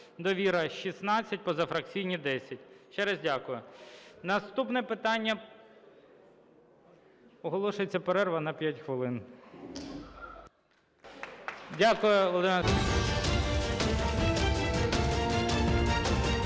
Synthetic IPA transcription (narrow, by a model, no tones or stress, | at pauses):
d̪ɔʋʲiɾɐʃisnɑt͡sʲːɐt̚ʲpɔzɐfɾɐk̚t͡sʲijnʲid̪ɛsʲɐt̚ʲʃt͡ʃɛɾɛzdʲakʊjʊnɐst̪upnɛpɪt̪ɑnʲːɐ | ɔɦɔlˠɔʃʊjet͡sʲːɐpeɾɛrʋɐnɐpʲjatʲxʋɪlˠɪn | dʲakʊjʊlˠɔd̪ɪmɛ